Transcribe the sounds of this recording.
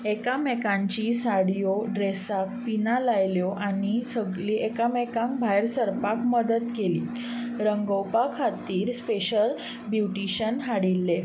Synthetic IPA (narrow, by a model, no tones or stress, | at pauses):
ekamɛkãɲt͡ɕisaɽjoɖɾesak̚pinalajljoʔanisəɡliʔekamɛkãŋkbʱajɾsəɾpakməd̪ət̪kelḭː | ɾəŋɡəwpakʰat̪iːɾspeɕəl | bjuʈiɕənɦaɽilːe